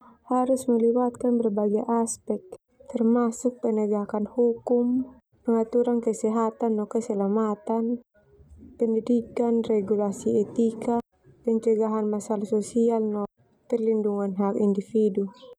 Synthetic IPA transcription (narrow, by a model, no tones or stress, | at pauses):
haɾusməliwat̪̚kanbərbaɡiaʔaspɛk̚ | t̪ɛrmasuk̚pənɛɡakanhukum | pəŋat̪uɾankəsɛɦat̪anːɔkəsɛlamat̪an | pɛndidikanrɛɡulasiɛt̪ika | pɛɲt͡ʃəɡaɦanmasalasɔsialnɔ | pɛrlinduŋanɦakindifidu